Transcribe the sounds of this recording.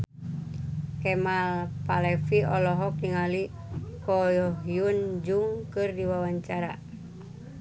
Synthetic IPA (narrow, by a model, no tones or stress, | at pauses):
kɛmalpalɛfiɔlɔɦɔk̚niŋali | kɔjɔɦjund͡ʒuŋkɨrdiwawaɲt͡ʃaɾa̰